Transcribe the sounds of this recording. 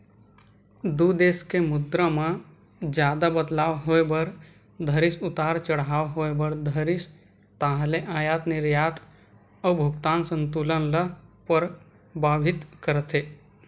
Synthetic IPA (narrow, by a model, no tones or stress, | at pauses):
d̪ud̪eːskemʊd̪ɾə̃mã | d͡ʒjaːd̪abəd̪laːwɦoebəɾ | d̪ʱəɾɪsʊt̪aːɾt͡ʃəɽɦaːwɦoːebəɾd̪ʱəɾɪs | t̪aːɦleʔaːjaːt̪nɪɾjaːt̪ʰ | əbʱʊkt̪aːnsə̃nt̪uːlənləpəɾ | baːbʱɪt̪kəɾt̪ʰe